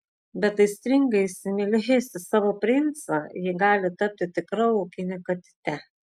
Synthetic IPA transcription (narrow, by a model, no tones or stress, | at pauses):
bʲɛt̪t̪ːɐɪsʲt̪ʲɾʲɪŋɡɐɪsʲɪnʲɛlʲɪɦʲeːsʲt̪ʲɪsɑːʋoːpʲɾʲɪnt̪sɑjɪɡɑːlʲɪt̪ɐp̚ʲt̪ʲɪt̪ʲɪkɾɐoʊkʲɪnʲɪkɐt̪ʲɪ̥t̪ʲɛ